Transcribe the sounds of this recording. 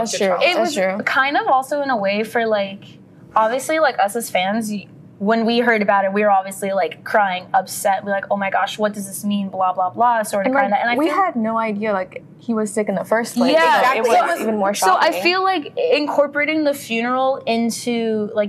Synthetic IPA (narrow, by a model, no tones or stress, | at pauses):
ɪt̚wʌzkʰãɪ̃ndʌvɔlˠsoʊɨ̃ñəweɪfə˞laɪk | ɑbviɨslilaɪkʌsɨz̥fæ̃nz | wə̃nwiɦɜ˞ɾɨbaʊɾɨt̚wiə˞ɑbviɨslilaɪkʰːɹ̥aɪɪ̃ŋʌpsɛtnwilaɪkoʊmaɪɡɑʃwʌt̚d̥ʌzðɪsmĩnblɑblɑblɑsɔɹkaɪ̃ŋðætʔɨ̃naɪwiɨdⁿnoʊaɪdiɨlaɪk | hiwʌz̥sɪkɨ̃ŋ̩ðəfɜ˞sʰlejæɪwʌoʊivɨ̃n̩mɔɹʃsoʊʔaɪ̃ŋfilaɪkɪ̃nkʰɔɹpə˞eɪɾɪ̃ŋðɨfjʉnə˞l̩ˠɪ̃ntʰʉlaɪk